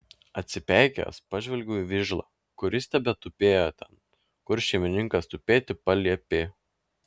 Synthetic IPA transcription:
ɐt̪ʲsʲɪpʲæˑɪkʲɛ̰spɑʒʲʋʲɛlʲɡʲuːiʋʲɪʒlˠɑ̰ː | kʊɾʲɪsʲt̪ʲɛbʲɛt̪ʊpʲeːjoːt̪ʲɛn | kʊɾʃʲɛmʲɪnʲɪŋkɐst̪ʊpʲeːt̪ʲɪpɐlʲiɛpʲeː

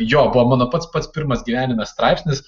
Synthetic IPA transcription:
joːbʊʋɐmɑːnoːpɐt̪spɐt̪spʲɪɾmɐsɡʲiːʋʲæːnʲɪmʲɐsst̪ɾɑˑɪpʲsʲnʲɪs

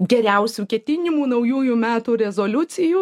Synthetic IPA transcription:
ɡʲɛɾʲɛʊsʲuːkʲɛt̪ʲɪnʲɪmuːnɐʊjuːjuːmʲæːt̪uːɾʲɛzoːlʲʊsʲɪjuː

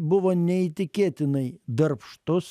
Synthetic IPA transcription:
bʊʋoːnʲɛiːt̪ʲɪkʲeːt̪ʲɪnɐɪd̪ɐɾpʃt̪ʊs

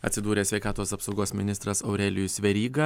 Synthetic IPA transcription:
ɐt̪ʲsʲɪd̪uːɾʲeːsʲʋʲɛɪkɑːt̪oːsɐpsɒʊɡoːsmʲɪnʲɪst̪ɾɐsɐʊɾʲɛlʲɪjʊsʲʋʲɛɾʲiːɡɐ

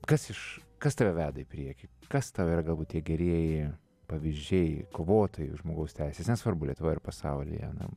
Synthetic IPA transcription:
kɐsɪʃ | kɐst̪ɐʋʲɛʋʲæːd̪ɐɪpʲɾʲiɛkʲɪkɐst̪ɐʋiːɾɐɡɐlˠbuːt̪̚t̪ʲiɛɡʲɛɾʲiɛjɪ | pɐʋʲɪzʲd͡ʒʲɛɪkoːʋoːt̪oːjɪʊʒmoːɡɐʊst̪ʲɛɪsʲeːsnʲɛsʋɐrbʊlʲiɛt̪ʊʋɐːɪrpɐsɑʊlʲɪ̰jɐ̰nɐ̰

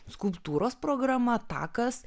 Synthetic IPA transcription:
skʊlˠpt̪uːɾoːspɾoːɡɾɐmɐt̪ɑ̰ːkɐs

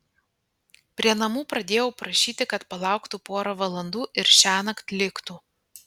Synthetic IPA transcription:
pʲɾʲiɛnɐmuːpɾɐd̪ʲeːjɛʊpɾɐʃʲiːt̪ʲɪkɐt̪pɐlˠɑˑʊkt̪uːpoːɾoʋɐlˠɐnd̪uːʔɪɾʃʲæːnɐkt̪ʲlʲɪkt̪uː

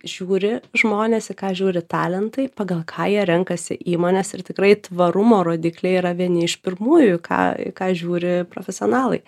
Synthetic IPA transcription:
ʒ̥ʲuːɾʲɪʒmoːnʲeːsɪkɑːʒʲuːɾʲɪt̪ɑːlʲɛnt̪ɐɪpɐɡɐlˠkʰɑːjiɛɾʲɛŋkɐsʲɪ̰ʔiːmoːnʲɛsɪrt̪ʲɪkɾɐɪt̪ʋɐɾʊmoːɾoːd̪ʲiːklʲɛiːɾɐʋʲiɛnʲɪɪʃpʲɪɾmuːjʊkʰɑ̰ːɪ̰kɑːʒʲuːɾʲɪpɾo̰ːfʲɛsʲɪoːnɑːlˠɐɪ

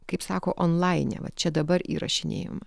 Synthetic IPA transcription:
kɐɪpsɑːkoːʔoːnlˠɑɪnʲɛ̰ʋɐ̰t̪t͡ʃʲɛd̪ɐbɐɾḭːɾɐ̰ʃʲɪnʲḛːjo̰ːm

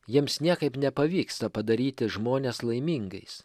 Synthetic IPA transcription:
jiɛmsnʲiɛkɐɪpnʲɛpɐʋʲiːkst̪ɐpɐd̪ɐɾʲiːt̪ʲɪʒmoːnʲeːslˠɐɪmʲiːŋɡɐɪs

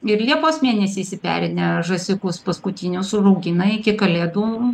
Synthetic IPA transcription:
ɪɾlʲiɛpoːsmʲeːnʲɛsʲiːsʲɪpʲæ̰ːɾʲɪnʲɛʒɐsʲɪkʊspɐskʊt̪ʲiːnʲʊsʊrɐʊɡʲɪnɐɪkʲɪkɐlʲeːd̪uː

